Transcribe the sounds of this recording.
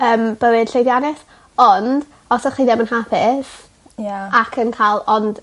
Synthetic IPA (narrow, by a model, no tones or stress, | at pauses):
əːmb̥əwɨd̥ɬejðjanɪs | ɔnd | ɔsɔχiðɛmənhapʰɪs | jaakʰənkʰaːlˠɔnd̥